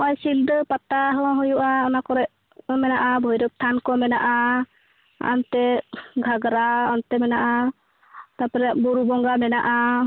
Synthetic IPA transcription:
ɔʔajsildɔpat̪aɦɔɦɔjuʔaɔnakɔɾɛʔ | mɛnaʔabʱɔjɾɔp̚t̪ʰankɔmɛnaʔa | a̰nt̪ɛɡʱaɡɾaɔnt̪ɛmɛnaʔa | t̪apɔɾɛʔbuɾubɔŋɡamɛnaʔa

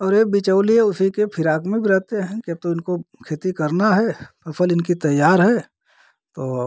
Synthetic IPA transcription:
ɔːɾebɪt͡ʃəʊliɦɛʊsikepʰɪɾaːkmẽbʱiɾɛɦt̪eɦɛ̃kiɐb̚t̪oɪnkokʰeːt̪ikɐɾnaɦɛsɐpʰəlɪnkit̪ɐjːaːɾɦɛː | t̪oː

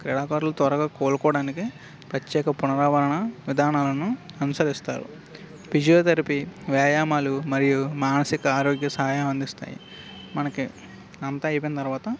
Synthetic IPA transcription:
kɾɛɽaːkaːɾlut̪ʋɐɾɐɡaːkoːlukɔːɽaːniki | pɾɐt̪jɛːkɐpunɐɾaːʋɐɾɐɳɐʋid̪ʱaːnaːlɐnuɐnusɐɾist̪a̰ːɾṵ | bid͡ʒijoːt̪ɐɾipiʋjaːjaːmaːlumɐɾijumaːnɐsikɐaːɾoːɡjɐsɐɦaːjɐmɐnd̪ist̪a̰ːjḭ | mɐnɐki | nɐnt̪ɐɐjp̬ɐnɐt̪ɐɾuʋaːt̪ɐ

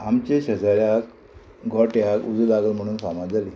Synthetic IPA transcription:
amt͡ɕeɕəd͡zaɾjak̚ | ɡʱɔʈjakud͡zulaɡəlm̤əɽ̃uːnsamad͡zali

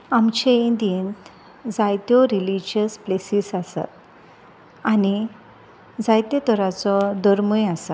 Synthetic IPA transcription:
amt͡ɕeind̪ijent̪ | d͡zajt̪jɔɾilid͡ʑəsplesisasa̰t̪̚ | ani | d͡zajt̪et̪ɔɾat͡sɔd̪əɾmujasat̪

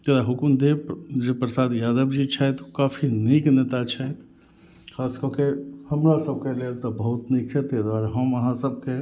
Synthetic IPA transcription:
t̪ed̪aɦʊkmd̪ed͡ʒepɾəsaːd̪jaːd̪əbd͡ʒit͡ʃʰɛt̪o̥kaːfʰiniːkneːt̪at͡ʃʰɛt̪ | xʰaːskɔkehɐmɾasəb̚keleːɾt̪abəɦʊt̪neːk̚t͡ʃʰɛt̪ed̪waːɾɦɐməɦãsəb̚ke

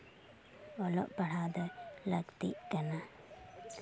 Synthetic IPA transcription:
ɔlɔ̰ʔpaɽ̤ad̪ələɡt̪ḭʔkana

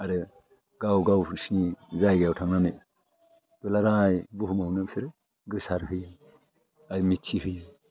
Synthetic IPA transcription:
aɾɯ | ɡawɡawsinizajɡawtʰaŋnanɯ | belaɾajbuɦumawnɯbseɾ | ɡɯsaɾɦɯj | ajmitʰiɦɯj

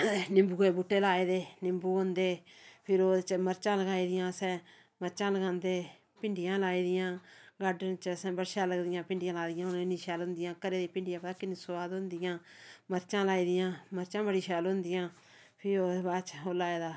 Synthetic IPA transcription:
nɪmbuːeːbuʈːeːlaːeːd̪eːnɪmbuːɦʊ̃nd̪eːpʰɪɾoːt͡ʃməɾt͡ʃãːləɡaːiːd̪ɪjãːsɛ̃ː | məɾt͡ʃãːləɡãːnd̪eː | pɪɳɖɪjãːlaːiːd̪ɪjãːɡaːɖənt͡ʃəsɛ̃ːbəɽʃãːləɡd̪ɪjãːpɪ̃ɳɖɪjãːlaːd̪ɪjãːʊnɪniːʃaːlʊ̃nd̪ɪjãːkəɾeːd̪eːpɪ̃ɳɖɪjãːpəaːkɪniːsʊbaːd̪ʊ̃nd̪ɪjãːməɾt͡ʃãːlaːiːd̪ɪjãːməɾt͡ʃãːbəɽiːʃɛːlʊnd̪ɪjãː | pʰɪɾoːbaːt͡ʃoːlaːeːd̪aː

